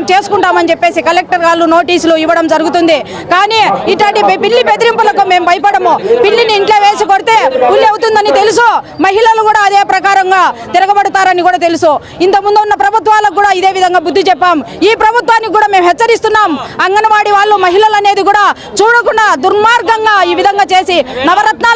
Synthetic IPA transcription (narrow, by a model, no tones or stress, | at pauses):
mt͡ʃe̞ːsu̥kuɳʈaːmɐnid͡ʒepːe̞ːsikɐlek̚ʈɐɾɡaːluno̞ːʈiːsuluiʋːɐɽɐmd͡ʒɐɾuɡut̪und̪i | kaːniːiʈlaːɳʈipiɭːipet̪ɾimpɐlɐkume̞ːmpɐjpɐɽɐmupiɭːiniːɳʈleːʋeːsikoɽit̪e̞ːpulːiɐwut̪und̪ɐnit̪elus̬umɐɦilɐlukuːɽaːd̪e̞ːpɾɐkaːɾɐŋɡaːt̪iɾɐɡɐbɐɽut̪aːɾɐnikuːɽaːt̪elusu | int̪ɐmund̪uunːɐpɾɐbʱut̪ʋaːlɐkːuːɽaːid̪e̞ːʋid̪ʱɐŋɡaːbud̪ʱːit͡ʃɛpːaːmiːpɾɐbʱut̪ʋaːnːikikːuːɽaːme̞ːmɦɛt͡ʃːɐɾist̪unːaːmɐŋɡɐnɐʋaːɽiʋaːɭːumɐɦilɐlɐne̞ːd̪ikuːɽaː | t͡ʃuːɽɐkunːɐd̪uɾmaːɾɡɐŋɡaːiːʋid̪ʱɐŋɡaːt͡ʃe̞ːsinɐʋɐɾɐt̪naː